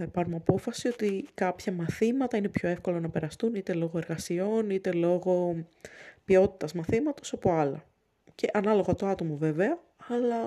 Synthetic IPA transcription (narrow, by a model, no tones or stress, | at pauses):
ɐpɐɾumɐpo̞fɐsio̞t̪ikɐpçɐmɐθimɐt̪ɐine̞pço̞e̞fko̞lo̞nɐpe̞ɾɐst̪unit̪e̞lo̞ɣoeɾɣɐsio̞nit̪e̞lo̞ɣo̞ | pio̞t̪i̥t̪ɐzmɐθimɐt̪o̞sɐpoɐlɐ̰ | ce̞ʔɐnɐlo̞ɣɐt̪oɐt̪o̞move̞veɐ | ɐlɐ